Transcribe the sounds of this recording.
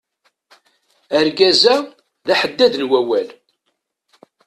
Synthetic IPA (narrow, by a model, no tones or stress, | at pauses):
æɾɡæzæ | ðæħəd̪ːæðnwæwæl